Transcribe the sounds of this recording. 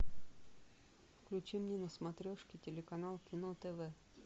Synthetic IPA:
fklʲʉt͡ɕimnʲenəsmɐt̪ɾʲoʂkʲɪtʲɪlʲɪkɐnalˠkʲɪnot̪ɛvɛ

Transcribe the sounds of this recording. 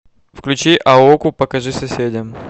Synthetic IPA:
fklʲʉt͡ɕiʔɐokʊpəkɐʐɨsɐsʲedʲəm

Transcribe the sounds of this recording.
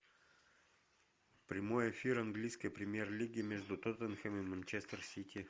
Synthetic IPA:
pɾʲɪmo̞jɪfʲiɾɐnɡlʲijskəjpɾʲɪmʲjerlʲiɡʲɪmʲeʐd̪ʊt̪ot̪ənxəmɨmənt͡ɕest̪ərsʲitʲi

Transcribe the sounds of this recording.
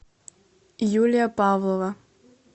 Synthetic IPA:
julʲijapawlˠɔvɐ

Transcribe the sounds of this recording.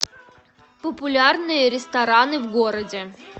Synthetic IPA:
pəpʊlʲarnɨjəɾʲɪst̪ɐɾanɨvɡoɾədʲɪ

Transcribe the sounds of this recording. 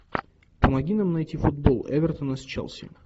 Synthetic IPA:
pəmɐɡʲinamnɐjtʲifʊd̪̚bolˠɛ̰vʲɪrt̪ənɐsʲt͡ɕɛ̰lˠsʲɪ̰

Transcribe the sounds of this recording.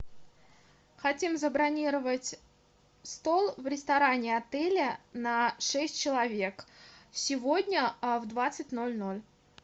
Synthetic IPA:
xɐtʲimzəbɾɐnʲiɾəvətʲ | st̪olˠvɾʲɪst̪ɐɾanʲɪɐt̪ɛlʲənɐʂɛsʲtʲt͡ɕɪlˠɐvʲe̞ksʲɪvodʲnʲəvd̪vat̪sɨtʲno̞lʲnolʲ

